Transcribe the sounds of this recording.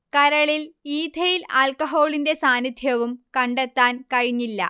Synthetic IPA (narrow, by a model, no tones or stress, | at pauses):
kɐɾɐɭiliːd̪ʱɐjilaːlkɐɦo̞ːɭinde̞saːnid̪ʱjɐʋumkɐɳɖet̪ːaːnkɐɻiɲːilːɐ̰